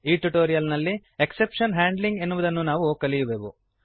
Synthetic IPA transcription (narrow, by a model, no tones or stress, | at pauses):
iːʈuʈoːɾijɐlnɐlːieksepʂɐnɦaːɳɖliŋɡe̞nːuʋud̪ɐnːunaːʋukɐlijubeːʋu